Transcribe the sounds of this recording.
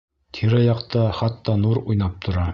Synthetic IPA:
t̪ʰiɾæjɑqt̪ɑχɑt̪ːɑnuɾujnɑp̚t̪ʰŏɾɑ

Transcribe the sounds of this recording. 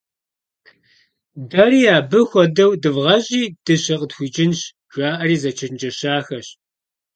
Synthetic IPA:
dɐriːaːbɨxʷɔdɐwdɨvʁɐʑʼiːd̥ɨɕɐqʼətxʷiːd͡ʒʼɪnɕ | ʒ̥ʷaːʔɐriːzɐt͡ʃʰɐnd͡ʒɐɕaːxɐɕ

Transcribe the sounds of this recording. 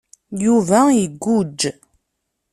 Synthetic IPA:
juvæjiəɡːud͡ʒː

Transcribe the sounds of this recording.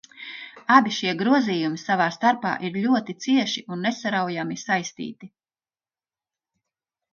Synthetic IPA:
abiʃiɛɡɾuɔziːjumisavaːst̪aɾpa̰ːʔiɾʎʲuɔt̪it̪siɛʃiʔunːesaɾawjamisajst̪ḭːt̪i

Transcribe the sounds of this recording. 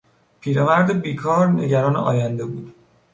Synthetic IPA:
pʰiːɾemæɾd̪ebiːkʰɒːɾnḛɟæɾɒːnḛʔɒːjænd̪e̞buːd̪

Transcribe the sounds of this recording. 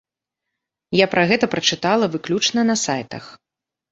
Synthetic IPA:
japɾʔaɣɛt̪ɐpɾɐt͡ʂɨt̪alˠɐvɨklʲut͡ʂnɐnɐsajt̪ɐ̰x

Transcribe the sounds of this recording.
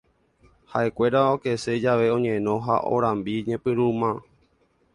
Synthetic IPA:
haʔe̞kʷe̞ɾaoke̞se̞d͡ʒaʋe̞õ̞ɲẽ̞nõ̞ɦa̰ʔo̰ɾãmbiɲẽpɨɾumã

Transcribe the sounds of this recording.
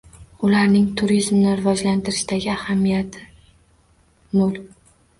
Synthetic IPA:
ʊlaɾnɪŋt̪ʰʊɾizmnɪɾɪvɒd͡ʒlant̪ɪɾɪʃd̪aɡʲɪahamːijat̪ʰɪ | mʊlˠk̚ʲ

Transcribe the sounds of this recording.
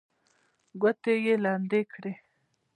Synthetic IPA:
ɡat̪ejelɑnd̪ekɽe

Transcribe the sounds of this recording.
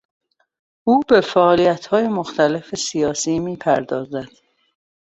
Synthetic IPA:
ʔuːbe̞fæːʔːlijæt̪ʰhɒːje̞moxt̪ʰæle̞fesijɒːsiːmiːpʰæɾd̪ɒːzæd̪̥

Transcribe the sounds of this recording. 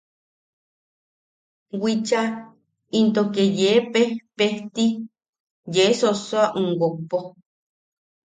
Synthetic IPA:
wit͡ʃa | int̪okejepepeht̪i | jesosoaʔuŋɡopo

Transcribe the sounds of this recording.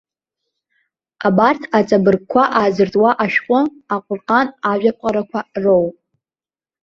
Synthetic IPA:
abartʰat͡sʼabɨrɡ̚kʷʰaʔazɨrtʼwaʔaʃᶣqʷʼʊ | aqʷʼʊrqʼanaʒᶣapʷqʼaɾakʷʰarowʼ

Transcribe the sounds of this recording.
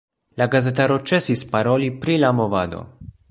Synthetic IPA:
laɡazɛt̪aɾot͡ʃɛsispaɾolipɾilamovad̪o̰

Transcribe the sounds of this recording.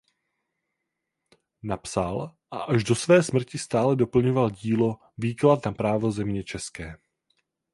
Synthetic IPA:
napsalʔaʔaʒdo̞svɛːsmr̩cɪst̪aːlɛdo̞pl̩ɲovalɟiːlo̞ | viːklat̪napɾaːvo̞zɛmɲɛt͡ʃɛskɛː

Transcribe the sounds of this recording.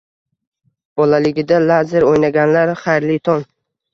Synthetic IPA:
b̥ɒlalɪɡʲɪd̪alazeɾojnaɡʲanlaɾχɑjɾlɪt̪ʰɒn

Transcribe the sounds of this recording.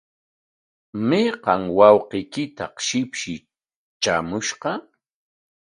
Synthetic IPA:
meqɑŋwɑwqɪjkɪt̪aqʃɪpʃɪ | t͡ʃamʊʃqɑ

